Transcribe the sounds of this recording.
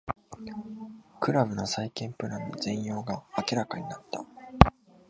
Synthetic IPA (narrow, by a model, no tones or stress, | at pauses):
kɯ̟ɾaβɯ̟nosaikẽ̞mpɯ̟ɾãnːozẽ̞ɰ̃jo̞ːɡaːkʲiɾakaɲ̟inat̪ːa